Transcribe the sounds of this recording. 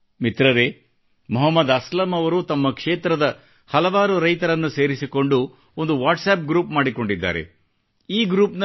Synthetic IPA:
mit̪ɾɐɾeː | mɔɦɐmːɐd̪ɐslɐmɐʋɐɾut̪ɐmːɐkʂeːt̪ɾɐd̪ɐ | hɐlɐʋaːɾuɾɐjt̪ɐɾɐnːuse̞ːɾisiko̞ɳɖu | o̞nd̪uʋaːʈsaːp̚ɡɾuːpmaːɽiko̞ɳɖid̪ːa̰ːɾe̞̰ | iːɡɾuːpnɐ

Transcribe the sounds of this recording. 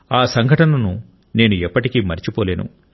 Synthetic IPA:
aːsɐŋɡʱɐʈɐnɐnu | ne̞ːnuɛpːɐʈikiːmɐɾit͡ʃipoːle̞ːnṵ

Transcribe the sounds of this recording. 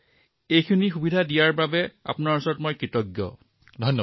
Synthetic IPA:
ejkʰunixubidʱadijaɹbabɛa̰pʊnaɹusɔɹɔtmojkɹitɔɡjɔ̰ | dʱɔjnːɔ

